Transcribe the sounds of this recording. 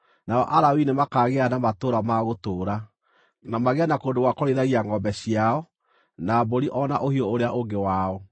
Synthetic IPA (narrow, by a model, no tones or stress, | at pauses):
naɔ̰ʔaɾawinemakaːɣeanamatoːɾamaɣotoːɾa | namaɣeanakoːndoɣwakoɾeðaɣiaŋɡɔbɛɕiaɔ | naboɾiʔɔna̰ʔohiɔoɾeaʔoŋɡewaɔ